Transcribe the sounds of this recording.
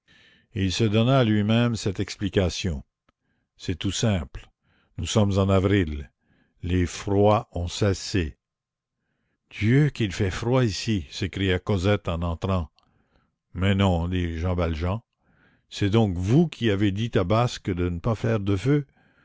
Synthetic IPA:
ilsəd̪ɔnaːlɥimɛ̃msɛt̪ɛksplikasjɔ̃ | sɛt̪usɛ̃ːpl | nusɔmzɑ̃navʁil | lefʁwaɔ̃sɛse | d̪̥jøkilfɛfʁwaisisekʁijakɔzɛt̪ɑ̃nɑ̃t̪ɾɑ̃ | mɛnɔ̃d̪iʒɑ̃valʒɑ̃ | sɛd̪ɔ̃kvukʲʰiaved̪it̪abaskəd̪ənəpafɛːʁd̪əfø

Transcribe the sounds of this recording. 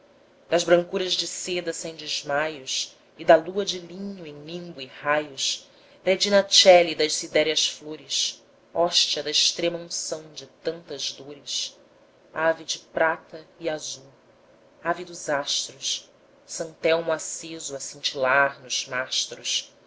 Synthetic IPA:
d̪ɐzbɾɐ̃ŋkuɾɐzd͡ʒɪsed̪ɐsẽj̃d͡ʒɪzmajuʃ | id̪ɐluɐd͡ʒɪlĩɲʊẽj̃lĩmbuihajʊʃ | hed͡ʒinɐt͡ʃɛlid̪ɐʃsid̪ɛɾiɐsfloɾɪs | ɔʃt͡ʃiɐd̪ɐɪʃt̪ɾẽmɐũsɐ̃w̃d͡ʒɪt̪ɐ̃nt̪ɐzd̪oɾɪʃ | avid͡ʒɪpɾat̪ɐiazuw | avid̪ʊzaʃt̪ɾus | sɐ̃nt̪ɛwmʊasezʊɐsĩnt͡ʃilaɾnʊz̥maʃt̪ɾus

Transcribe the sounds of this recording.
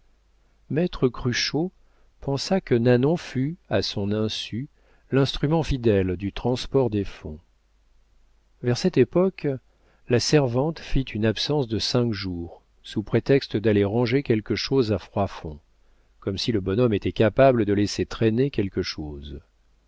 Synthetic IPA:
mɛt̪χəkχyʃo | pɑ̃sakənanɔ̃fyasɔ̃nɛ̃sy | lɛ̃st̪χymɑ̃fid̪ɛld̪yt̪χɑ̃spɔʁd̪efɔ̰̃ | vɛʁsɛt̪epɔk | lasɛʁvɑ̃t̪fit̪ʰynapsɑ̃sd̪əsɛ̃kʒuːʁ | supχet̪ɛkst̪əd̪aleʁɑ̃ʒekʲɛlkəʃozafχwafɔ̃ | kɔmsiləbɔnɔmet̪ɛkapabləd̪əleset̪χenekʲɛlkəʃoːz

